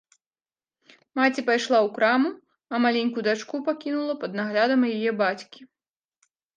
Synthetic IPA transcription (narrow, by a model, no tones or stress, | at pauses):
mat͡sʲipajʂlˠawkɾamu | ɐmalʲenʲkud̪at͡ʂkupakʲinulˠɐpɐd̪̚naɣlʲad̪ɐmjajɛbat͡sʲkʲi